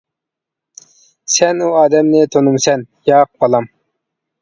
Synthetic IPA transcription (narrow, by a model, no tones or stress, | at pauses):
sɛnuɑːd̪ɛmnɪt̪ʰonumsɛn | jɑːq̚bɑlˠɑm